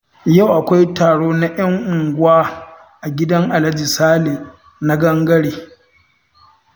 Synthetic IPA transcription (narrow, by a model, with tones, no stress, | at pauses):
ja˦˨wʔa˨kʷa˦jtaː˨ɽoː˦na˦jɐ˦ŋʔʊ˨ŋɡʷʊ˦aː˦ | ʔa˨ɡʲɪ˦dɐ˦ŋʔa˨lɐ˦d͡ʒi˨saː˦leː˨ | na˦ɡɐ˦ŋɡɐ˦ɽeː˨